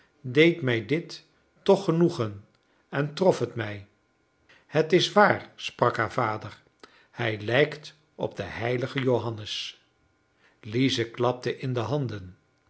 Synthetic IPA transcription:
dejtmɛjdɪtː | ɔχənuχən | ɛntrɔfɦətmɛj | hətɪsʋaːɹsprɑkɦaːɹvaːdəɹ | hɛjlɛjkt | ʔɔ̰b̚dəhɛjləχəjowɦɑnəs | lizəklɑp̚təʔɪndəɦɑndən

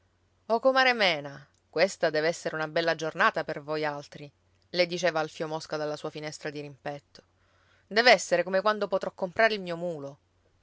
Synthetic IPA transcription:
ɔkomaɾemɛːna | kwest̪ad̪ɛːveɛsːeɾeunabɛlːad͡ʒornaːt̪apervojalt̪ɾi | led̪it͡ʃeːvaːlfjomoskad̪alːasuːafinɛst̪ɾad̪iɾimpɛt̪ːo̥ | d̪ɛːveɛsːeɾekomekwand̪opot̪ɾɔkːompɾaːɾeilmiːomuːlo

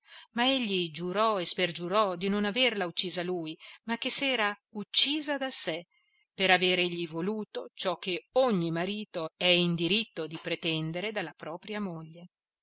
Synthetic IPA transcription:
maeʎːid͡ʒuɾɔesperd͡ʒuɾɔd̪inonaverlaut͡ʃːiːzaluːjmakːesːɛːɾaut͡ʃːiːzad̪ase | peɾaveːɾeʎːivoluːt̪ot͡ʃɔk̟ːeoɲːimaɾiːt̪oɛind̪iɾit̪ːod̪ipɾet̪ɛnd̪eɾed̪alːapɾɔːpɾjamoʎːe

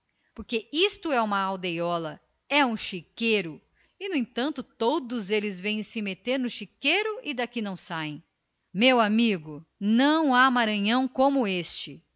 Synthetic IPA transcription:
poɾkeist̪ʊɛũmɐawd̪ejɔlɐ | ɛũʃikejɾʊ | ɪnʊẽt̪ɐ̃nt̪ʊt̪od̪ʊzelɪzvẽj̃sɪmet̪eɾnʊʃikejɾʊɪd̪akinɐ̃w̃saẽj̃ | mewamiɡʊnɐ̃w̃amaɾɐ̃ɲɐ̃w̃kõmʊest͡ʃɪ

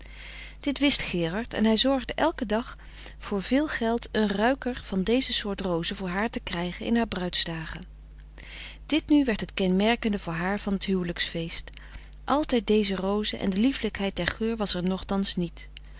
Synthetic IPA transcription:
d̥ɪtʋɪstχɪːrɑɹtɛ̰nɦɛjzɔɹχdəʔɛlˠkədɑχ | fʊːɹvɪːlˠχɛlˠtənrœɥkəɹv̥ɑndejzəsʊːɹtrowzəvʊːɹɦaːɹtəkrɛjχənʔɪ̰nɦaːɹbrœɥtsdaːχə | d̥ɪtnyʋɛɹtɦətkɛnmɛɹkəndəvʊːɹɦaːɹvɑnətɦywləksfejst | ʔɑlˠtɛjt̚dejzərowzəʔɛ̰ndəlifləkɦɛjt̚dɛɹχøːɹʋɑsɛɹnɔχtɑnsnit

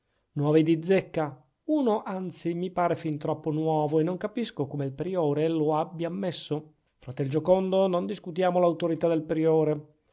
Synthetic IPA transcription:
nwɔːved̪id̪zːekːa | uːnoʔant̪simipaːɾefint̪ɾɔpːonwɔːvoenːoŋkapiskokomeilpɾioːɾeloabjaːmːesːo | fɾat̪eld͡ʒokond̪onond̪iskut̪jaːmolawt̪oɾit̪ad̪elpɾioːɾe

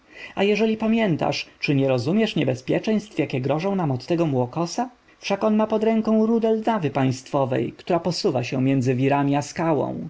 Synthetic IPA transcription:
ajɛʐɛlʲipamʲjɛnt̪a̰ʂt͡ʂɘɲɛɾɔzumʲjɛʂɲɛbɛspʲjɛ̰t͡ʂɛ̃j̃st̪fjakʲɛɡɾɔʐɔ̃w̃namɔt̪ːɛɡɔmwɔkɔsa | fʂakɔnmapɔd̪ɾɛŋkɔ̃w̃ɾud̪ɛld̪avɘpaj̃st̪fɔvɛ̰jkt̪uɾapɔsuvaɕɛmʲjɛnd̪zɘvʲiɾamʲiaskawɔ̰̃w̃

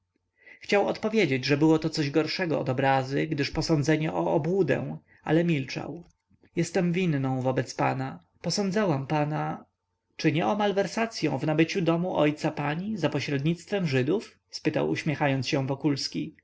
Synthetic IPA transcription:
xt͡ɕawɔt̪pɔvʲjed͡ʑed͡ʑʐɛbɘwɔt̪ɔt̪sɔʑɡɔɾʂɛɡɔɔ̰d̪ɔbɾazɘɡd̪ɘʂpɔsɔnd̪zɛɲɛʔɔːbwud̪ɛ̰̃ | a̰lɛmʲilt͡ʂa̰w | jɛst̪ɛmvʲinːɔ̃w̃vɔbɛt̪spana | pɔsɔnd̪zawampana | t͡ʂɘɲɛɔmalvɛɾsat̪sʲjɔ̃w̃vnabɘt͡ɕud̪ɔmuʔɔjt̪sapaɲizapɔɕɾɛd̪ɲit̪st̪fɛmʐɘd̪uf | spɘt̪a̰wṵɕmʲjɛxajɔnt̪sɕɛ̃w̃vɔkulskʲi

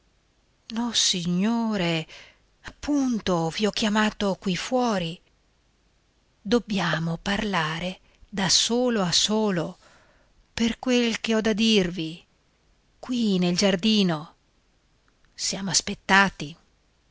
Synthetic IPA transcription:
nɔsiɲːoːɾe | apːunt̪oviɔk̟ːjamaːt̪okwifwɔːɾi | d̪obːjaːmoparlaːɾe | d̪asoːloasoːlo | perkwelkeɔd̪ad̪irvi | kwineld͡ʒard̪iːno | sjaːmoaspet̪ːaːt̪i

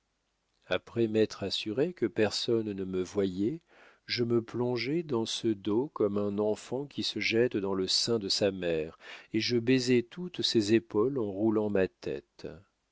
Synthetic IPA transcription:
apχɛmɛt̪χasyʁekəpɛʁsɔnnəməvwajɛ | ʒəməplɔ̃ʒɛd̪ɑ̃səd̪okɔmɛ̃nɑ̃fɑ̃kʲisəʒɛt̪d̪ɑ̃ləsɛ̃d̪əsamɛʁeʒəbezɛt̪ut̪sɛzepɔlɑ̃ʁulɑ̃mat̪ɛ̰t̪

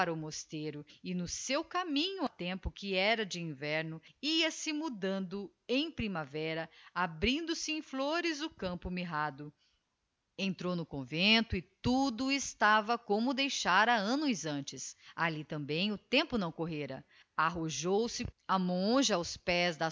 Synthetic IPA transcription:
aɾɐʊmost̪eɾʊɪnʊsewkamĩɲʊɐt̪ẽmpʊkɪɛɾɐd͡ʒɪĩvɛɾnʊiɐsɪmud̪ɐ̃nd̪ʊ | ẽj̃pɾimavɛɾɐabɾĩnd̪ʊsɪẽj̃floɾɪzʊkɐ̃mpʊmiɦad̪ʊ | ẽnt̪ɾownʊkõvẽnt̪ʊɪt̪ud̪ʊɪst̪avɐkõmʊd̪ejʃaɾɐɐ̃nʊzɐ̃nt͡ʃɪsalit̪ɐ̃mbẽj̃ʊt̪ẽmpʊnɐ̃w̃koɦeɾɐ̰ | aɦoʒowsɪamõʒɐawspɛzd̪ɐ

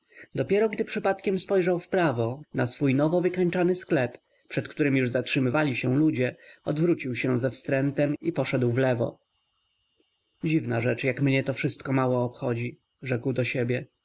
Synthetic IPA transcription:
d̪ɔpʲjɛɾɔɡd̪ɘpʂɘpat̪kʲɛmspɔjʐawfpɾavɔnasfujnɔvɔvɘkaɲt͡ʂanɘsklɛp | pʂɛt̪kt̪uɾɘmjuʐzatʂɘmɘvalʲiɕɛlud͡ʑɛɔd̪vɾut͡ɕiwɕɛzɛfst̪ɾɛnt̪ɛmipɔʂɛd̪wvlɛvɔ̰ | d͡ʑivnaʐɛt͡ʂjakmɲɛt̪ɔfʂɘst̪̚kɔmawɔːpxɔd͡ʑi | ʐɛkwd̪ɔɕebʲjɛ

